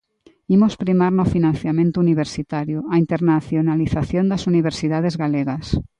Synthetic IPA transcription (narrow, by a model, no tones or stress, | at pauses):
imospɾimaɾnofinãn̟θjamẽnt̪uniβ̞eɾsit̪aɾjuaint̪eɾnaθjonaliθaθjond̪asuniβ̞eɾsiðað̞ezɣaleɣas